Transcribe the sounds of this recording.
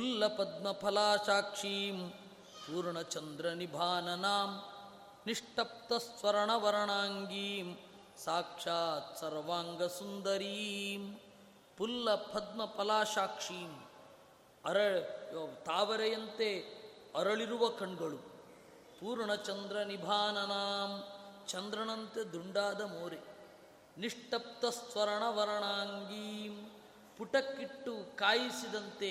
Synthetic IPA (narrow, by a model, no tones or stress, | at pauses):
pulːɐpɐd̪̚mɐpʰɐlaːʃaːkʂiːm | puːɾɳɐt͡ʃɐnd̪ɾɐnibʱaːnɐnaːm | niʂʈɐp̚t̪ɐsʋɐɾɐɳɐʋɐɾɐɳaːŋɡiːm | saːkʂaːsɐɾʋaːŋɡɐsund̪ɐɾiːm | pulːɐpʰɐd̪mɐpɐlaːʃaːkʂiːm | ɐɾɐɭt̪aːʋɐɾɐjɐnt̪eɐɾɐɭiɾuʋɐkɐɳɡɐɭu | puːɾɳɐt͡ʃɐnd̪ɾɐnibʱaːnɐnaːmt͡ʃɐnd̪ɾɐɳɐnt̪ed̪uɳɖaːd̪ɐmoːɾe | niʂʈɐp̚t̪ɐst̪ʋɐɾɐɳɐʋɐɾɐɳaːŋɡiːm | puʈɐkːiʈːukaːjisid̪ɐnt̪e